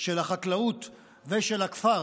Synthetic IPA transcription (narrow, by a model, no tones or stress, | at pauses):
ʃelhaχatlaut̪ | veʃelakfa